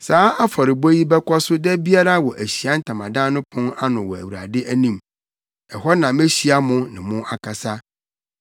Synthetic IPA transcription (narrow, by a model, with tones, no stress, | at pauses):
saː˨˦a˦fa˨ɾɪ˨bɔ˦ji˦bɛ˦kʰɔ˦sʊ˦dɛ˦bi˦a˦ɾa˦˨wɔ˨ʔæ˨ɕi˨a˦n̩˦tʰã˨mã˨dã˦nʊ̃˦pʰʊ̃˦na˦nʊ̃˨wɔ˨æ˨wu˨ɾa̰˨dɪ˦ʔæ˦nĩ˦˨m | ɛ˨ɦɔ˦nã˨me˦ɕi˦a˦mʊ̃˦nɪ̰̃˨mʊ̃˦ʔa˨kʰa˨sa˦